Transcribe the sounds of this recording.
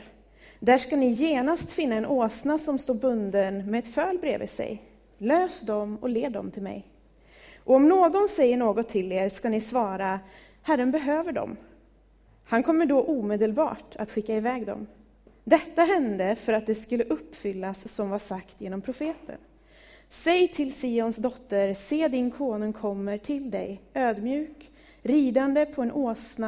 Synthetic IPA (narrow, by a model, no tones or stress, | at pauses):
d̪æʂkanɪjeːnast̪fɪnːaɛnoːsnasɔmst̪oːɾbɵnd̪ənmɛɛt̪fœːlbɾḛːvɪ̰sɛ̰j | løːsd̪ɔmɔ̰leːd̪ɔ̰mt̪ʰɪlmɛ̰j | ʔɔɔmnoːɡɔnsɛjːəɳoːɡɔt̪ʰːɪleːɾskanɪsvɑːɾa | hæɾːənbɛɦøːvəɖɔ̰m | hankʰɔmːəɖɔʔuːmeːd̪əlbɑ̰ːʈa̰t̪ɧɪkːaɪvɛːɡd̪ɔ̰m | d̪ɛt̪ːaɦɛnd̪əfœɾat̪̚d̪ɛskɵlːəʔɵpːfʏlːasːɔmvaʂakt̪jeːnɔmpʰɾʊfeːt̪ʰə̰n | sɛjt̪ʰɪlsiːɔnsd̪ɔt̪ːəɾseːd̪ɪnkʰoːnʊŋkʰɔmːəʈʰɪld̪ɛ̰jøːd̪mjʉ̟ːk | ɾiːd̪and̪əpʰɔɛnʔoːsna